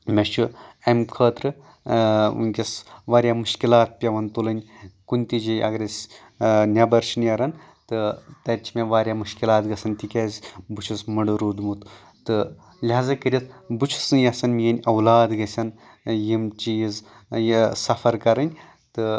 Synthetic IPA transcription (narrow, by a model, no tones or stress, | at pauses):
mʲɐt͡ʃʰuɐmkʰəːt̪ɾɨ | ṵnʲkʲɐsʋaːɾʲjaːmuʃkilaːt̪̚pʲɐʋɐnt̪ulɐnʲkunʲt̪id͡ʒijʔɐ̰ɡɾʲɐsʲ | nʲɐbɐɾʃinjɐɾɐn | t̪ɨt̪ɐɾʲt͡ʃʰimeʋaːɾʲjamɨʃkilaːt̪ɡɐsɐnt̪ikʲɐːzʲbut͡ʃʰusmɨɖɨɾud̪mut̪ | t̪ɨ | lʲɦaːzɐkɨɾʲit̪ʰbut͡ʃʰu̥sɨjɐsɐnmijɐnʲɐwlaːd̪ɡɐsʲɐn | jimt͡ʃiiz | jsɐfɐɾkɐɾɐnʲ | t̪ɨ